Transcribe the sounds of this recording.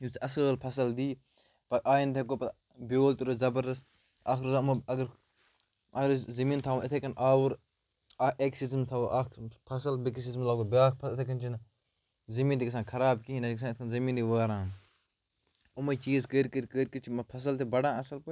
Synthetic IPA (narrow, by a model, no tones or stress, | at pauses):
jut͡sʰɐsəːlpʰɐsɐld̪iː | pɐʔaːjint̪ʰek̬oːpɐ | boːlt̪uɾozɐbɐɾd̪ɐs | aːkɾzamɐɐɡɐɾ | ɐɡɾzɐmĩːnt̪ʰaːɐt̪ʰekɐnʔaːwuɾ | ʔeksizmt̪ʰaʔaːkpʰɐsɐlbiksizmlaːɡobʲaːk̚pʰɐt̪ʰek̬ɐnt͡ʃʰinɐ | zɐmiːnt̪ikɐsãːkʰɐɾaːbkiɦinɐiksaːɪt̪ʰkɐnzɐmiːnd̪iːʋaːɾãːn | ʊmɐt͡ʃiːzkəɾʲkəɾkəːɾkət͡ʃʰimɐpʰɐs̬ɐlt̪ʰibɐɽãːɐsɐlpo